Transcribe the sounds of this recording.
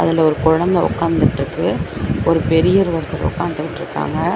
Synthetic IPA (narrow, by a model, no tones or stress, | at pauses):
ʔɐðɪlɐɔɾɯkʊɻɐnd̪ɐʊ̰kːaːnd̪ɪʈːrɯkːɯɔɾɯpɛɾɪjɐɾɯʋɐɾɯt̪ːɐɾ̰ʊ̰kːaːnd̪ɯʋɪʈːɪɾɯkːa̰ːŋɡɐ